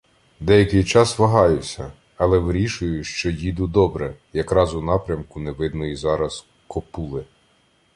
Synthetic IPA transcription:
d̪ɛjɐkɪjt͡ʃɑsʋɐɦɑjʊsʲɐ | ɐlˠɛʋɾʲiʃʊjʊʃt͡ʃɔjid̪ʊd̪ɔbɾɛjɐkɾɑzʊnɑpɾʲɐmkʊnɛʋɪd̪nɔjizɑɾɐs | kɔpulˠɪ

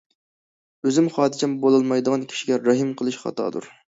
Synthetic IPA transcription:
øzɪmχɑːd̪ɨt͡ʃʰʲɛmbolˠɑlˠmɑjd̪əʁɑnkʲʰi̥ʃiɡʲɛɾɑɦɨmqʰəlˠɨʃχɑ̰t̪ʰɑ̰ːd̪ṵɾ

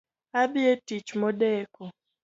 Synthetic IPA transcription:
abietit͡ʃmɔdɛkɔ

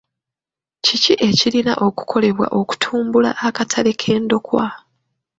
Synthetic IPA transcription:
ciciʔe̞cilina̰ʔo̞ku̥kʰo̞le̞βwa̰ʔo̞ku̥tʰuːmbula̰ʔːkatʰale̞kʰe̞ːndo̞kwa

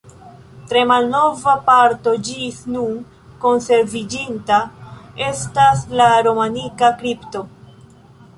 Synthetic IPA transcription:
tɾe̞malno̞vapaɾto̞d͡ʒisnun | ko̞nse̞ɾvid͡ʒintae̞staslaɾo̞manikakɾipto̞

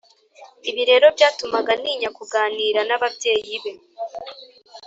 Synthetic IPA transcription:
iβiɾe̞ːɾo̞bjaːtumaɡaniːɲakuɡaːniːɾanaβabje̞ːjiβe̞

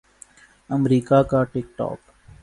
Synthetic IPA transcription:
əmɾiːkakaʈɪkʈɔ̰ːk

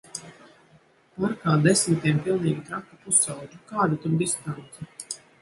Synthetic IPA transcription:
aɾkaːd̪ɛsmt̪iɛmpilˠniːɡʲit̪ɾakupusawd͡ʒ̪ukaːd̪at̪ud̪ist̪ant̪sa

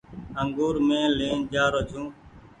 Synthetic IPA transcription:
əŋɡuːɾmẽːlẽːnd͡ʒaːɾoːd͡ʒʰũː

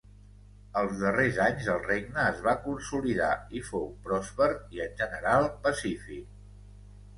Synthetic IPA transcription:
əlˠzðərezaɲzəlˠreɡ̚nəːzβakunsuliða̰ifowpɾɔspəɾiənʲʒənəɾalˠpəsifik̚

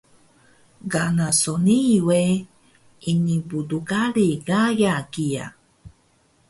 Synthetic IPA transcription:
ɡanasoniwe | iɲĩbuduɡaɾiɡajakia̰

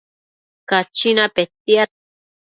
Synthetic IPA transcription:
kat͡ʃinapet̪ia

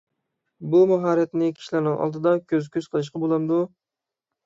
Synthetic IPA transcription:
bumɑɦɑːɾɛt̪nɪkʲʰi̥ʃlæɾnɨŋʔɑ̰lˠd̪ɨd̪ɑkʲʰøzkʲʰøzqʰəlˠɨʃ̬qɑbolˠɑmd̪u

